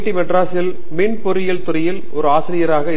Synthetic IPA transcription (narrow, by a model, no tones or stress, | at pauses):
ʈːimɛʈraːsɪl | mɪɳpɔɾɪjɐlt̪ʊɾɐjɪl | ɔɾɯaːsɪɾɪjɐɾaːɣɐ